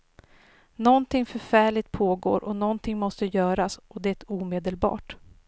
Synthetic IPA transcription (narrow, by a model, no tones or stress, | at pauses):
nɔnt̪ʰɪŋfœɾfæːɭɪt̪̚pʰoːɡo̰ːɾʔɔnɔnt̪ʰɪŋmɔst̪əjœːɾasʔɔd̪ɛæt̪uːmeːd̪əlbɑ̰ːʈ